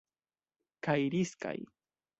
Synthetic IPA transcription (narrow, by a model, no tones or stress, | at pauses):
kajɾɪska̰j